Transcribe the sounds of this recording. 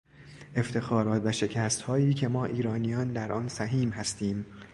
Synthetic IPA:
ʔe̞ft̪ʰe̞xɒːɾɒːt̪ʰvæʃe̞cʰæːst̪hɒːiːcʰe̞mɒːʔiːɾɒːnijɒːnd̪æɾʔɒːnsæɦiːmɦæst̪iːm

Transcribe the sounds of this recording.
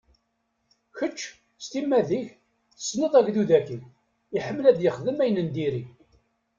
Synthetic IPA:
çət͡ʃː | st̪imːæðiç | θə̥sːnəðˤæʝðuðækin | iħəmːlæd̪jəχðəmæjnənd̪iɾi

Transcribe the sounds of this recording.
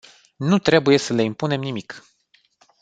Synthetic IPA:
nut̪ɾe̞buje̞səle̞impune̞mnimik

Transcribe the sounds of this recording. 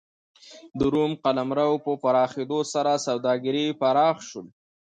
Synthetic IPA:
d̪əɾumqalamɾawpəpaɾɑxed̪osaɾasawd̪ɑɡɪɾipaɾɑxʃəl

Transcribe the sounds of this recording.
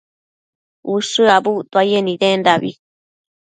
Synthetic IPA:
uʂɨabut̪oajenĩdend̪aβḭ

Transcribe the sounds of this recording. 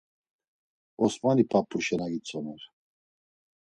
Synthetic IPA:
ɔsmanipʰapʰʼːuʃɛnaɡit͡sʰɔnɛɾ

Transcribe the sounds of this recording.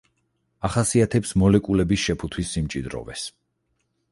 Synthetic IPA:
aχasiat̪ʰɛpsmɔlɛkʼulɛbisʃɛpʰut̪ʰwisːimt͡ʃʼid̪ɾɔ̰vɛ̰s

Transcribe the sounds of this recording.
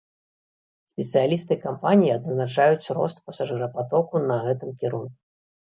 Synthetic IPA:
sʲpʲɛt̪sɨjalʲist̪ɨkampanʲijiɐd̪znat͡ʂajut͡sʲɾɔ̰st̪̚pɐsaʐɨɾɐpat̪ɔkunɐɣɛt̪ɨmkʲɛɾunku

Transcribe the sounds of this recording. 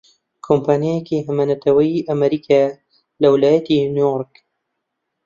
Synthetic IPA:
kʰompʰaːnjajekiɦɐmɐnɐt̪ʰɐwɐjiʔɐmɐɾikʰa | lɐwɪlaːjɐt̪inujoɾk

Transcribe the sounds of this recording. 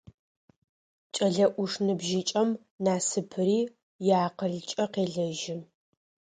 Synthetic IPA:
t͡ʃʼɐɮɐʔʷʊʂnɨbʒit͡ʃʼɐm | naːsɨpʰɨɾiː | jaːqəɮt͡ʃʼɐqeːɮɐʒɪ

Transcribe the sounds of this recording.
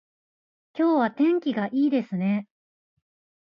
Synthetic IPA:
kʲo̞ːβat̪ẽ̞ŋkʲiɡaʔiːd̪e̞sɨne̞

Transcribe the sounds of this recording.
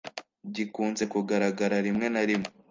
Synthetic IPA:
ɟikuːnze̞kuɡaɾaɡaɾaɾimŋe̞naɾime

